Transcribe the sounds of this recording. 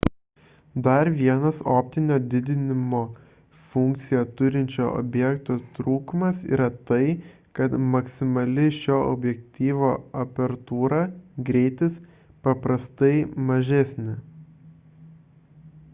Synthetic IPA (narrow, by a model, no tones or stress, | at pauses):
d̪ɐɾʋʲiɛnɐsoːpʲt̪ʲɪnʲoːd̪ʲɪd̪ʲɪnʲɪmoː | fʊŋʲk̚t̪sʲɪjɛt̪ʊɾʲɪnʲt͡ʃʲoːɔ̰bʲjɛkt̪oːt̪ɾuːkʊmɐsḭːɾɐt̪ɐɪ | kɐt̪mɐksʲɪmɐlʲɪʃʲoːʔɔ̰bʲjɛkt̪ʲiːʋoːɐpʲɛɾt̪uːɾɑɡɾʲɛɪt̪ʲɪs | pɐpɾɐst̪ɐɪmɐʒʲɛsʲnʲɪ